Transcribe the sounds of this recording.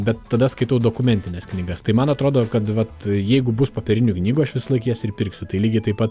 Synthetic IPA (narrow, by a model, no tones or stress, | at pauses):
bʲɛt̪ːɐd̪ɐskɐɪt̪ɐʊd̪oːkʊmʲɛnʲt̪ʲɪnʲɛsknʲiɡɐst̪ɐɪmɐnɐt̪ɾoːd̪oːkɐt̪ʋɐt̪jɛɪɡʊbʊspoːpʲɛɾʲɪnʲʊknʲiːɡʊɐʃʋʲɪsɐlˠɐɪkʲiɛsɪɾpʲɪɾʲksʲʊt̪ɐɪlʲiːɡʲɪt̪ɐɪpɐt̪